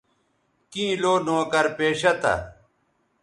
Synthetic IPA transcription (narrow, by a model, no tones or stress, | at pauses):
kĩːloːnoːkɐɾpeːɕɐt̪ɐ̰